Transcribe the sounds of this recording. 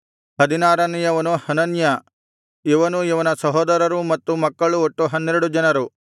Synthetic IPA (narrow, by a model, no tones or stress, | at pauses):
hɐd̪inaːɾɐnijɐʋɐnuhɐnɐnjɐ | iʋɐnuiʋɐnɐsɐɦɔːd̪ɐɾɐɾumɐt̪ːumɐkːɐɭuoʈːuɦɐnːeɾuɽud͡ʒɐnɐɾu